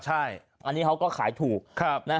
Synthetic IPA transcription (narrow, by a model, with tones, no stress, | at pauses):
t͡ɕʰa˥˩j | ʔa˧nːiː˦˥kʰa˦˥wkɔː˥˩kʰaː˩˦jt̪ʰuː˨˩k̚kʰa˦˥˩p̚na˦˥